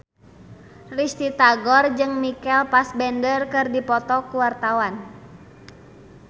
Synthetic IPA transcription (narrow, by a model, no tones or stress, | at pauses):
rist̪it̪aɡɔrd͡ʒɨŋmikɛlpasbɛndərkɨrdipɔt̪ɔkuwart̪awan